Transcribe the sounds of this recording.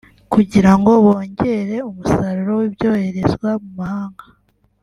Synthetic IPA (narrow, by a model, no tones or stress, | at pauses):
kuɟiɾaŋɡo̞βo̞ːɲɟe̞ːɾe̞umusaɾuɾo̞wibjo̞ːhe̞ɾe̞zɡwamumahaːŋɡa